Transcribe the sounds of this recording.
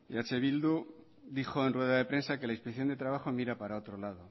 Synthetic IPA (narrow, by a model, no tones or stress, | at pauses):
at͡ʃe̞β̞ild̪u | d̪ixo̞e̞nrwe̞ðaðe̞pɾe̞nsake̞lainspeθjo̞nd̪et̪ɾaβ̞axomiɾapaɾao̞t̪ɾo̞lað̞o